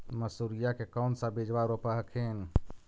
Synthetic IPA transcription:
məsuɾijakekɔʊnsãbed͡ʒʋaɾopəɦkʰen

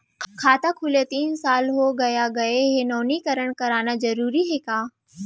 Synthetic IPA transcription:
kʰaːt̪akʰʊlet̪iːnsaːlɦoɡɐjaɡɐeɦenoːnikɐɾəɽ̃kɐɾaːnazɐɾuːɾiɦeːkaː

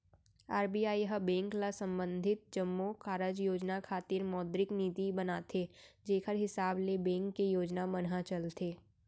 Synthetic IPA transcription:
aːɾbiːjaːijɦəbɛ̃ːŋklasə̃mbə̃nd̪ʱɪt̪̚d͡ʒəmːokaːɾəd͡ʒjoːd͡ʒnakʰaːt̪iːɾmɔːd̪ɾɪkniːt̪ibɐnaːt̪ʰed͡ʒeːkʰəɾɦɪsaːblebɛ̃ːŋkːejoːd͡ʒnamɐnɦat͡ʃɐlt̪ʰeː

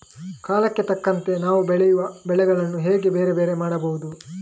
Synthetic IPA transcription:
kaːlɐkːet̪ɐkːɐnt̪e̞naːʋubɛɭɛjuʋɐbɛɭɛɡɐɭɐnːuɦeːɡe̞be̞ːɾe̞beːɾe̞maːɽɐbɐʋud̪u

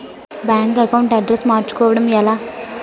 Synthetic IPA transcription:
bjaːŋkɐkɐwuɳʈɐɖɾesmaːɾt͡ʃu̥kɔːʋɐɽɐmɛlaː

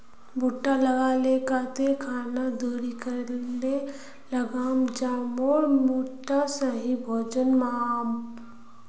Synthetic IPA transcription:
buʈːalɐɡalekat̪ekʰaːnad̪uːɾikəɾne | lɐɡaːmd͡ʒaːmoːɾmuʈːasəɦibʱoːd͡ʒənmaːm

